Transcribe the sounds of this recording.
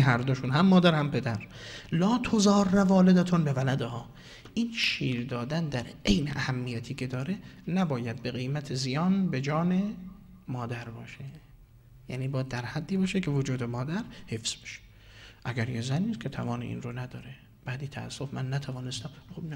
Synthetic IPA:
ɦæɾd̪oʃunhæmːɒːd̪æɾhæmpʰe̞d̪æɾ | lɒːt̪ʰozɒːrːævɒːled̪æt̪ʰonbevælæd̪ehɒː | ʔiːnʃiːɾd̪ɒːd̪ænd̪æɾe̞jnḛʔæhæmːijæt̪ʰiːkʲʰe̞d̪ɒːɾe̞næbɒːjæd̪̚beɣejmæt̪ʰezijɒːnbe̞d͡ʒɒːne̞ | mɒːd̪æɾbɒːʃe | jæːniːbɒːjæd̪ːæɾhæd̪ːiːbɒːʃekʰevod͡ʒuːd̪emɒːd̪æɾhe̞fz̥beʃe̥ | ʔæɡæɾjezænːiːskʰet̪ʰævɒːneʔḭːnɾonæd̪ɒːɾe | b̥æːd̪iːt̪ʰææ̰sːofmænːæt̪ʰævɒːnest̪æmxobn

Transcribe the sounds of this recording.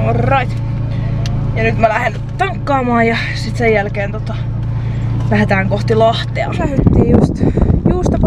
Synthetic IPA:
orːɑit̪ | jɑnyt̪mælæhen | t̪ɑŋkːɑːmɑːjjɑ | sit̪sejjælkeːnt̪ot̪ɑ | pæhæt̪æːŋkoht̪ilɑht̪ˑeɑ̰læhet̪ːiːjust̪juːst̪ɑp

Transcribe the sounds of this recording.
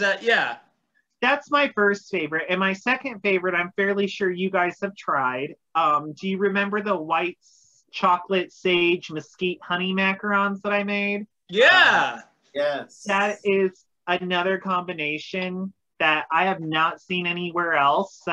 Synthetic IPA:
ɨʔjæ | ðætsmaɪfɜ˞stfeɪvə˞ɨɾɨ̃nmaɪsɛkɨ̃nd̥feɪvə˞ɨɾãɪ̃ɱfɛɹlˠiʃʊɹjɨɡaɪz̥hɨv̥tʰɹ̥aɪd̥ | ʌ̃mdɨjɨɹɨmɛ̃mbə˞ðəwaɪt | t͡ʃʰɑklɨtseɪd͡ʒmɨskit̚hʌɾ̃imækə˞ɑ̃nzðəɾaɪmeɪd̥̚ | jæ | jɛðɨɾɪz | ɨnʌðə˞kʰɑ̃mbɨneɪʃɨ̃n | ðɨɾaɪɨvnətsĩnɛñiwɛɹɛlˠs

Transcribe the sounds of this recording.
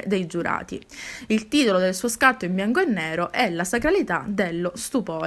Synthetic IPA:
d̪ejd͡ʒuɾa̰ːt̪ḭ | ilt̪iːt̪olod̪elsuːoskat̪ːoimbjaŋkoenːɛːɾoʔɛlasakɾalit̪a̰d̪elːost̪upɔː

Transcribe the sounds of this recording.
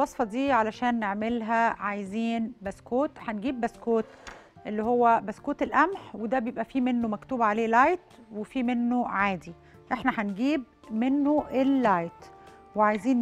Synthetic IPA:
ɑsˤfɑd̪iːʕalæʃæːnːeʕmelɦæʕajziːnbæskoːt̪ħanɡiːbːæskoːt̪ | ʔelːiɦowːæbæskoːt̪elʔæmħwed̪æbejebʔæfiːmenːomækt̪uːbʕaleːlɑjt̪ | wefiːmenːoʕaːd̪i | ʔeħnæħanɡiːb̚ | menːoʔelːɑjt̪ | weʕajziːn

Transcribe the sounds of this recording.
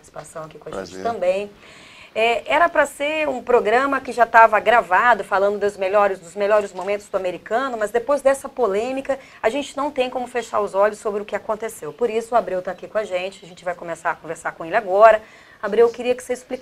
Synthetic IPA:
pat̪t͡ʃɪ̥si̥pasɐ̃w̃akikõɐʒḛ̃t͡ʃɪ̥t̪ɐ̃mbẽj̃ | ɛɛɾɐpɾɐseɾũpɾoɡɾɐ̃mɐkɪʒat̪avɐɡɾavad̪ʊfalɐ̃nd̪ʊd̪ʊzmeʎɔɾɪsd̪ʊzmeʎɔɾɪzmomẽnt̪ʊzd̪ʊameɾikɐ̃nʊmɐzd̪epojzd̪ɛsɐpolẽmikɐ | aʒẽnt͡ʃɪnɐ̃w̃t̪ẽj̃kõmʊfeʃa̰ɾʊzɔʎʊsːobɾɪʊkɪakõnt̪esewpoɾisʊabɾewt̪aːkikõɐʒẽt͡ʃɪɐʒẽnt͡ʃɪvajkõmesaɾɐkõveɾsaɾkõelɪaɡɔɾɐ | abɾewkɪɾiɐkɪ̥seɾɪsplik

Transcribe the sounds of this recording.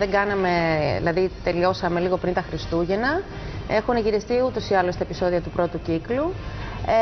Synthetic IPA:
ðeŋɡɐnɐme̞ðḭlɐðit̪e̞lio̞sɐme̞liɣo̞pɾint̪ɐxɾist̪uʝe̞nɐ | e̞xuneʝiɾest̪iut̪o̞siɐlost̪ɐepiso̞ðiɐt̪upɾo̞t̪uciklu

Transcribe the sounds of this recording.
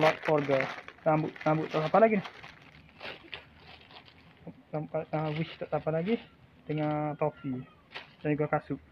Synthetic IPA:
lɔt̪̚fɔrɡəlambʊʔ̪lambʊʔt̪ːɔʔsapalaɡinah | ampaəwit͡ʃt̪ɔʔsapalaɡi | dəŋant̪ofi | dand͡ʒuɡakasʊʔ̚

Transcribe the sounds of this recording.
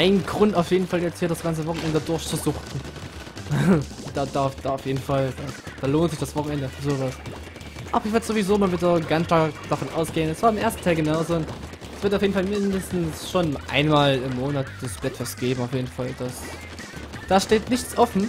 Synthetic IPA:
ʔaɪnnɡʁʊntaʊfjeːdn̩faljɛt͡sthiːɐɾasɡ̥ant͡səvɔχn̩ʔɛndədʊɐçt͡suzʊxtn̩ | d̥aːdafd̥aːʊfjeːdn̩fald̥ad̥aːloːntz̥ɪçd̥asv̥ɔχn̩ɛndəfzoːvas | ʔaːbɐɪçvɛɐtəz̥ovizoːmanvɪɐdəɡanʃtaːd̥afɔnʔa̰ʊsɡ̥eːənɛsv̥aːɐɪmʔeːɐstn̩tʰaɪlɡənaʊzoːʊn | ʔɛsv̥ɪɐtaʊfjeːdn̩falmɪndəstn̩sʃoːnʔa̰ɪnmaːlɪmːoːnatd̥asb̥lɛtfɛst̚ɡ̥eːbm̩aʊfjeːdn̩fald̥as | d̥aːʃteːtnɪçt͡sʔɔfn̩

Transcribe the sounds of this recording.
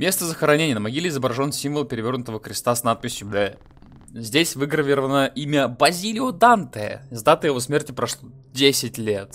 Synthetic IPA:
mʲe̞st̪əzəxəɾɐnʲenʲɪjənəmɐɡʲilʲɪɪzəbɾɐʐo̞nsʲimvəlˠpʲɪɾʲɪvʲo̞rnʊt̪əvəkɾʲɪst̪asnat̪̚pʲɪsʲjʊbɛ | zʲdʲesʲvɨɡɾəvʲɪɾəvənəʔimʲəbɐzʲilʲɪʊd̪ant̪ɛə̰ɪzd̪at̪əjɪvosmʲertʲɪpɾɐʂlˠo | dʲesʲɪtʲlʲet̪

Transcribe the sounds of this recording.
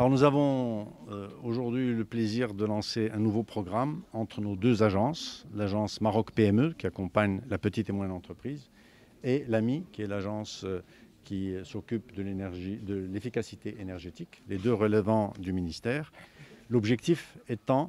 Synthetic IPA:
alɔʁnuzavɔ̃ | oʒuʁd̪ɥiyləpleziʁd̪əlɑ̃seɛ̃nuvopχɔɡʁamɑ̃t̪χənod̪øzaʒɑ̃slaʒɑ̃smaʁɔkpeɛmøkʲiakɔ̃paɲlapət̪it̪emwɛ̃nɑ̃t̪χəpχiːz | elamikʲiɛlaʒɑ̃s | kʲisɔkʲypd̪əlenɛʁʒid̪əlefikasit̪eʔenɛʁʒet̪ikled̪øʁələvɑ̃d̪yminist̪ɛːʁlɔbʒɛkt̪ifɛt̪ɑ̃

